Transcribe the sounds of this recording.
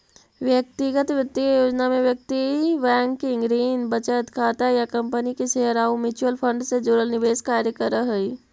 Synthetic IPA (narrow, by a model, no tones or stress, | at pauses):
ʋjək̚t̪ɪɡət̪ʋət̪iajoːd͡ʒnamẽʋjək̚t̪iʋɛ̃ːŋkːeɪ̃ŋɡɾiːnbət͡ʃət̪kʰaːt̪ajakɐ̃mpənikeʃeɦəɾaːũmɪt͡ʃuəlpʰə̃ɳɖsed͡ʒuːɾəlnɪʋeːskaːɾjəkəɾəɦəiː